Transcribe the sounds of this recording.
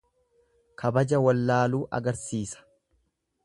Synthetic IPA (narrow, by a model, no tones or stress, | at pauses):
kʰɐbɐd͡ʒɐwɐlːaːluːʔɐ̰ɡɐɾsiːsɐ̥